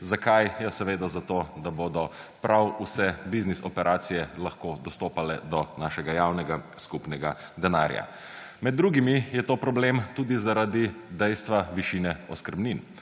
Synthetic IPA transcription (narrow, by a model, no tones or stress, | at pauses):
zakajjɛsɛʋeːd̪azat̪od̪aboːd̪ɔpɾawusɛbiznisɔpɛɾʔaːt̪sijɛlaxkoːd̪ɔst̪oːpalɛd̪ɔnaːʃɛɡajawnɛɡaskupnɛɡad̪ɛna̰ːɾja̰ | mɛd̪̚ːɾuːɡimijɛt̪oːpɾɔblemt̪uːd̪izaɾad̪id̪ɛjst̪ʋaʋiʃinɛɔskəɾbnin